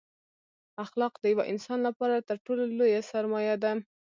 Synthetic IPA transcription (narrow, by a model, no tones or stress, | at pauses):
axlɑqd̪əjawaʔɪnsɑnlapɑɾat̪əɾʈololojasaɾmɑjad̪a